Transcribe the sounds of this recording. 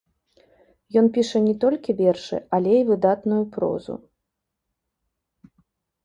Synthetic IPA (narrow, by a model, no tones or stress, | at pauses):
jɔnpʲiʂɐnʲɛt̪ɔlʲkʲivʲɛrʂɨ̰alʲɛivɨd̪at̪nujupɾɔ̰zṵ